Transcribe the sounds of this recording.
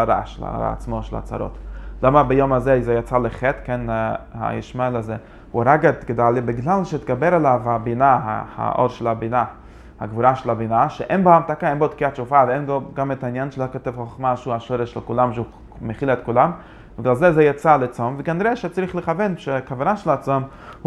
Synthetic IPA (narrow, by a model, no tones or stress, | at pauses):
aɾa̰ʃla̰a̰t͡smoʃela̰t͡sa̰ɾo̰tlamabejomazezejat͡saleχetkenha̰jḭʃmalaze | uaɾaɡat̪ɡdalibiɡlalʃet̪ɡabeɾalavabinaɦa̰ha̰ʔoɾʃelabina | ha̰ɡvuɾaʃelabinaʃḛʔenboamtakaenbot̪kiatt͡ʃufaveenɡoɡametainjanʃelokotɛvχoχmaʃehuaʃoɾeʃlekulamʃeu | meχilaet̪̚kulam | biɡlalzezɛjat͡salet͡somveɡaniɾeʃet͡saɾiχleχavenʃeakavanaʃelat͡som | h